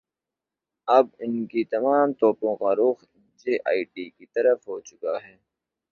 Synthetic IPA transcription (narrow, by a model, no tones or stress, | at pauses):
ɐb̚ɪnkit̪ɐmaːmt̪ɔːpõkaɾoːx | d͡ʒeːʔa̰ːiʈiːkit̪ɐɾəfɦoːt͡ʃʊkaɦɛː